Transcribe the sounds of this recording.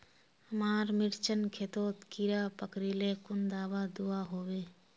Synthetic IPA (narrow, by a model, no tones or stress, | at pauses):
həmaːɾmɪɾt͡ʃənkʰeːt̪oːt̪kiɾaːpəkɾilekʊnd̪aːʋad̪uaɦoːweː